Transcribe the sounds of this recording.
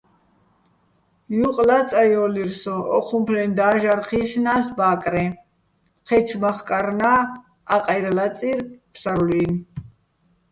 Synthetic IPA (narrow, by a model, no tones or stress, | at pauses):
juqʼlat͡sʼajɔliɾsɔʔɔ̰qʰumpʰlɛnd̪aːʒaɾχiːħnaːsbaːkʼɾɛ | χɛt͡ʃʰmaχkʼaɾnaː | aqʼajɾalat͡sʼiɾpʰsaɾlin